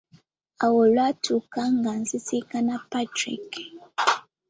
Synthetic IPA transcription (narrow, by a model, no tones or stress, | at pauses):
awɔlwatʰukaŋɡanzisikanapatɾḭk